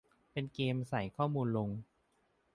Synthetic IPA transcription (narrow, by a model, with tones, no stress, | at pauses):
pe˧nkeː˧msa˩˦jkʰɔː˥˩muː˧nlo˧ŋ